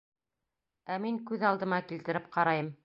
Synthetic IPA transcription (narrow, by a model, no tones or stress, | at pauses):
æmiŋkʉðɑlˠd̪ɤ̆mɑkilt̪ɘ̆ɾɘp̚qɑɾɑjɤm